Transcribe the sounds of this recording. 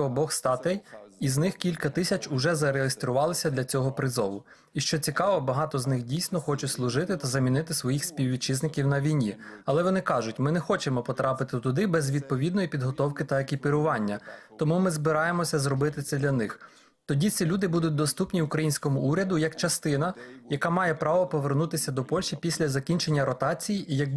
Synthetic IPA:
ɔbɔxst̪ɑt̪ɛjiznɪxkʲilʲkɐt̪ɪsʲɐt͡ʃʊʒɛzɐɾeɦest̪ɾʊʋɑlˠɪsʲɐd̪lʲɐt͡sʲɔɦɔpɾɪzɔʋˠʊ | iʃt͡ʃɔt͡sʲikɑʋɔbɐɦɑt̪ɔznɪxdʲijsʲnɔxɔt͡ʃʊtʲslˠʊʒɪt̪ɪt̪ɐzɐmʲinɪt̪ɪsʋɔjixsʲpʲiwʋʲit͡ʃɪznɪkʲiwnɐʋʲijnʲiɐlˠɛʋɔnɪkɑʒʊtʲmɪnɛxɔt͡ʃemɔpɔt̪ɾʔɑpɪt̪ɪt̪ʊd̪ɪbɛzʋʲid̪̚pɔʋʲid̪nɔjipʲid̪ɦɔt̪ɔwkɪt̪ɐɐkʲipɪɾʊʋɑnʲːɐt̪ɔmumɪzbɪɾɑjemɔsʲɐzɾɔbɪt̪ɪt̪sʲɛd̪lʲɐnɪx | t̪ɔdʲit͡sʲilʲud̪ɪbud̪ʊt̚ʲd̪ɔst̪upnʲiʊkɾɐjinʲsʲkɔmʊʔuɾʲɐd̪ʊjɐkt͡ʃɐst̪ɪn̪ɐjɐkɑmɑjɛpɾɑʋɔpɔʋernut̪ɪsʲɐd̪ɔpɔlʲʃipʲisʲlʲɐzɐkʲinʲt͡ʃe̞nʲːɐɾɔt̪ɑt͡sʲijiʔijɐk

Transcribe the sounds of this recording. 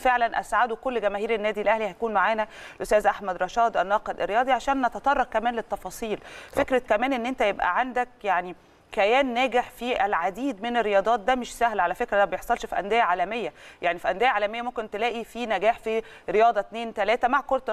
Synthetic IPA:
feʕlænʔæ̰sʕad̪ukolːɡæmæːhiːɾænːæːd̪ilʔæhlihæjækuːnmaʕaːnælʔost̪æːzʔaħmæd̪ɾˤɑʃɑːd̪ˤʔænːɑːqed̪ʔḛrːejɑːd̪ˤiʕaʃæːnʔæt̪æt̪ˤɑrˤːɑqkːæmæːnlet̪ːɑfɑːsˤiːlfekɾækæmæːnʔenːʔent̪æjebʔæ̰ʕand̪æk̚jaʕni | kæjæːnːæːɡeħfiʔælʕad̪iːd̪menerːejɑːd̪ˤɑːt̪̚d̪æmeʃsæhlʕalæfekɾæd̪æbejeħsˤːɑlʃfiʔæ̰nd̪ejæʕaːlæmejːæjaʕnifiʔænd̪ejaʕaːlæmejːæmomkent̪elæːʔifinæɡæːħfiɾejɑːd̪ˤɑt̪neːnt̪ælæːt̪æmaʕkoɾˤt̪

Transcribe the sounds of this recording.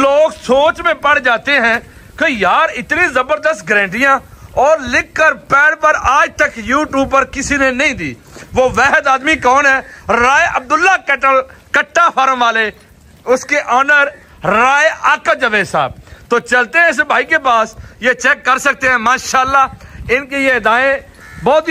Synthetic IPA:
loːɡsoːt͡ʃmẽpəɽ̤d͡ʒaːt̪eɦɛ̃ː | kejaːɾɪt̪nĩːzəbəɾd̪əst̪̚ɡɾɛ̃ːɳʈɪjãːɔːɾlɪkːəɾpɛːɽpəɾaːd͡ʒt̪əkjuːʈjuːb̚pːəɾkɪsiːnenɐĩːd̪iː | ʋoːʋɛːɦəd̪aːd̪mikɔːnɦɛːɾaːeʔəb̚d̪ʊlːaːkʈəlkəʈʰːaːfʰaːɾəmʋaːleː | ʊskeʔɔːnəɾː | aːeʔaːkəd͡ʒəʋeːsa̰ːbt̪oːt͡ʃəlt̪eɦɛ̃ɪs̬bʱaːikepaːsjeːt͡ʃɛːkːəɾsək̚t̪eɦɛ̃ːmaːʃaːəlːaːɪnkejed̪aːẽ | bɔːt̪

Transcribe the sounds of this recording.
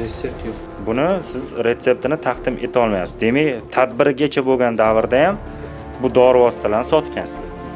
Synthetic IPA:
eet̪ | bʊnɪsɪzɾe̞t̪se̞p̚t̪ʰɪnɪt̪ʰaqd̪ɪmʔe̞t̪ʰɒlˠmajapsɪzd̪e̞makʲt̪ʰad̪̚bɪɾɡʲat͡ʃʰaboɡʲand̪avɾd̪ajam | bʊd̪ɒɾvɒst̪ʰalaɾnɪsɒt̪kʲansɪz

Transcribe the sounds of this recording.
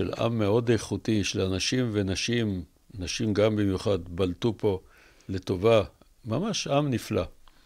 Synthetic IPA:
ʃḛlʔa̰mːeo̞d̪ejχut̪iʃelanaʃimvenaʃim | naʃimɡambimjuχad̪baltupo̞ | le̞to̞va | mamaʃamnifla

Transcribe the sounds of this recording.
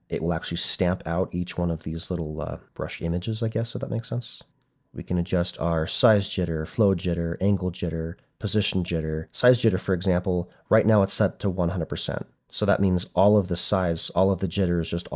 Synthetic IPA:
ʔɪ̰ʔwəlˠæk̚t͡ʃʉl̩ˠistæ̃mpʰaʊɾit͡ʃwʌ̃nʌvðizlɪɾl̩ˠʌ̰b̥ɹʌ̰ʃɪ̰̃mɨd͡ʒɨzaɪɡɛsoʊðət̚meɪksɛ̃ns | wḭkʰɨ̃nɨd͡ʒʌstʰaə˞saɪzd͡ʒɪɾə˞floʊd͡ʒɪɾə˞ʔæ̃ŋɡl̩ˠd͡ʒɪɾə˞ | pʰɨzɪʃn̩d͡ʒɪɾə˞saɪzd͡ʒɪɾə˞fə˞ɨɡzæ̃mpl̩ˠ | ɹaɪtⁿnaʊətsɛtʰəwʌ̃nɦʌ̃ndɹəd̚pʰsɛ̰̃nt̚ | soʊðə̰ʔ̚mĩnzʔɔlˠʌvðɨsaɪz̥ɔlˠʌvðɨd͡ʒɪɾə˞ɨzd͡ʒʌst

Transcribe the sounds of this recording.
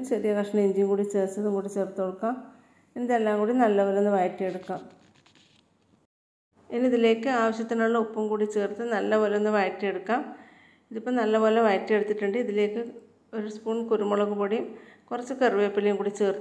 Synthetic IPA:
t͡ɕɐrijɐkɐʂɳɐmiɲd͡ʑiːnkuːɽit͡ɕeːrt͡ɕːɐðuŋkuːɽit͡ɕeːrt̪ːoɻukːaːm | eniðelːaːŋkuːɽinɐlːɐʋɐlenːɨʋɐjɐtːijeɽukːaːm | enːiðile̞ːkːɨaːʋɐɕjɐt̪ːinaɭːɐupːɐmkuːɽit͡ɕeːrt̪ːɨnɐlːɐʋɐlɐenːɨʋɐjtːijeɽukːaːm | iðipːoːnɐlːɐʋoːlɐʋɐjɐtːijeɽut̪ːiʈːuɳɖɨiðile̞ːkːɨ | o̞ɾuspuːɳkuɾumoɭɐkːupoːɽijumkurɐt͡ɕːɨkerɨʋeːpːilejumkuːɽit͡ɕeːrt̪ː

